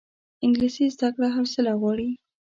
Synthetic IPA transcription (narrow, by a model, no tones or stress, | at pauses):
ɪŋɡlisizd̪akɽaɦawsɪlaɣwɑɽi